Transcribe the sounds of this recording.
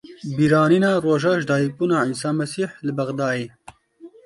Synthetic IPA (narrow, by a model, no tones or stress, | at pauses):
biɾɑːninɑːɾoːʒɑːʒd̪ɑːjipunaːinsaːmɐsiːħlɨbɐɣd̪ɑːeː